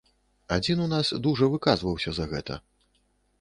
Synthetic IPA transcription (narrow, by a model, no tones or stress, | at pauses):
ad͡zʲinunasd̪uʐɐvɨkazvɐwsʲɐzɐɣɛt̪ɐ̰